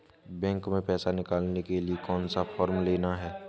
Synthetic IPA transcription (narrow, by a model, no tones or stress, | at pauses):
bɛ̃ːŋkmẽpɛːsanɪkaːlnekeliekɔːnsafʰɔːɾmleːnaɦɛː